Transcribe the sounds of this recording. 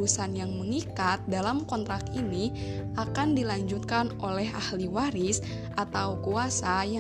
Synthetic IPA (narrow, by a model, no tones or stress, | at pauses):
usanjaŋməŋikat̪̚dalamkɔnt̪ɾakiniʔakandilaɲd͡ʒut̪̚kanolɛɦahliwaɾis | ʔat̪awkuasaja